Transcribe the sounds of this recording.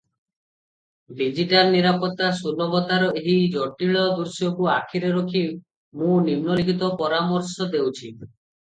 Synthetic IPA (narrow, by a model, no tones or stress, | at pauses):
ɖid͡ʒiʈalniɾapɔt̪ːasulɔbɔt̪aɾɔʔeɦid͡ʒɔʈiɭɔd̪uɾsiɔkuakʰiɾeɾokʰi | mũnimnolikit̪ɔpɔɾamɔɾsɔd̪ewt͡ʃʰi